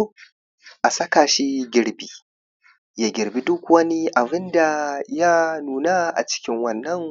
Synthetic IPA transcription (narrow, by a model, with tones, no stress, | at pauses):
ʔa˨sɐ˦ka˨ʃi˦ɡʲɪ˦ɾbi˦ | ja˨ɡʲɪ˨ɾbi˦dʊ˦kʷwɐ˦ni˦ʔa˨bɪ˦nda˨ja˦nuː˨na˦ʔa̰˨t͡ʃɪ̥˦kʲɪ˦ŋwɐ˨nːɐ˦ŋ